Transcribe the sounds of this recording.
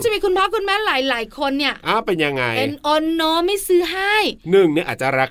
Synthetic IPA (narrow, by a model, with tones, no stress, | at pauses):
t͡ɕa˨˩miː˧kʰu˧npʰɾɔː˦˥p̚kʰu˧nmɛː˦˥˩laː˩˦jlaː˩˦jkʰo˧nːi˥˩ɐʔaː˧˩pe˧nja˧ŋːa̰˧je˧nʔo˧nːoː˦˧˥ma˥˩jsɯː˦˥ɦa˥˩jnɯ˨˩ŋni˥˩ʔaː˨˩t̪̚t͡ɕa˨˩ɾa˦˥k̚